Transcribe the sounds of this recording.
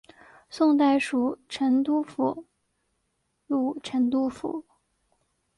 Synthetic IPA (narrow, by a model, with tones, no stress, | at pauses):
sʊ˥˧ŋt̪̬a˥˩ɪʂu˨˩ʈ͡ʂʰə˧˥nt̪u˥fṵ˨˧˩ | ɻu˥˩ʈ͡ʂʰə˧˥nt̪u˥fṵ˧˩˦